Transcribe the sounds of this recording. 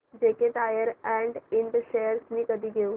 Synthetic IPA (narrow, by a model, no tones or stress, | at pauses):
d͡ʑekeʈajəɾɛɳɖiɳʈɕejəɾsniːkəd̪ʱiːɡʱeũ